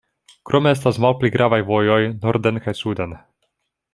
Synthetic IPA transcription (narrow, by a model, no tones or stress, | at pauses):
kɾʔo̞mees̬tasmalpliɡɾʔavajvo̞jo̞jnoɾdenkajsuden